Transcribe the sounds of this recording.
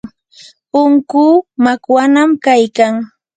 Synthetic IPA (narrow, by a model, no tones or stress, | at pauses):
ʊŋkuːmakwanamkajkaŋ